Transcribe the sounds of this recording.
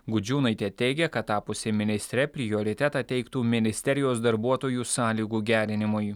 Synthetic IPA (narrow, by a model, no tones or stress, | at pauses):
ɡʊd͡ʒʲuːnɐɪt̪ʲeːt̪ʲɛɪɡʲɛkɐt̪ːɑːpʊsʲemʲɪnʲɪsʲt̪ʲɾʲɛpʲɾʲɪjoːɾʲɪt̪ʲɛt̪ɑt̪ʲɛɪkt̪uːmʲɪnʲɪsʲt̪ʲɛɾʲɪjoːsd̪ɐɾbuɔt̪oːjuːsɑːlʲiːɡuːɡʲæːɾʲɪnʲɪmʊj